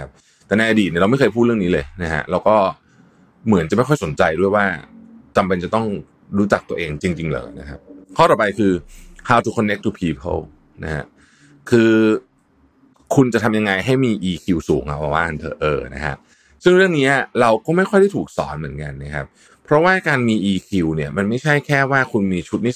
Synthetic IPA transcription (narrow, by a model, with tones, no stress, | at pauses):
a˦p̚ | t̪ɛː˨˩na˧jʔa˧diː˨˩n˧˥˩ɾa˧m˥˩jkɤː˧jpʰuː˥˩t̪̚ɯ˥˩ŋni˦˥lɤː˧jna˦˥kʰa̰˦˥ʔɾɛː˧wkɔː˥˩ | mɯ˩˦nt͡ɕa˨˩ma˥˩jxɔ˥˩jso˩˦nt͡ɕa˧jdu˥˩əjwaː˥˩t͡ɕa˧mpe˧nt͡ɕa˨˩t̪ɔ˥˩ŋ | ɾuː˦˥t͡ɕa˨˩k̚t̪u˧ɐʔeː˧ŋt͡ɕi˧ŋt͡ɕi˧ŋlɤ̰ː˩˦na̰˦˥kʰa̰˦˥p̚kʰɔː˥˩t̪ɔː˨˩pa˧jkʰɯː˧hʰaː˦˥wt̪ʰuː˧kʰːɔ˧nːe˦˥k̚t̪ʰu˧˩pʰiː˧˥pʰɤ̰˥˩w | na̰˦˥kʰa̰˦˥ʔ | kʰɯː˧ | kʰu˧nt͡ɕa˨˩t̪ʰa˧mja˧ŋːa˧jɦa˥˩jmiː˧ʔiː˧kʰi˧wsuː˩˦ŋʔa̰˨˧˩wa˧˩waː˥˩˨nt̪ʰɤ̰ː˧˩ʔɤː˧˩na̰˦˥kʰa̰˦˥ʔ | sɯ˥˩ŋɾɯ˥˩əŋniː˦˥ʔa˨˩ɾa˧wkɔː˥˩ma˥˩jxʰjɾʰa˥˩jt̪ʰuː˨˩k̚sɔ̰ː˩˦nmɯ˩˦ənka˧nːa˦˥kʰa˦˥p̚ | pʰɾɔ˦˥waː˥˩kaː˧nmiː˧ʔiː˧kʰi˧wni˥˩ɐma˧nma˥˩jt͡ɕʰa˥˩jkʰɛː˥˩waː˥˩kʰu˧nmiː˧t͡ɕʰu˦˥t̪̚ni˥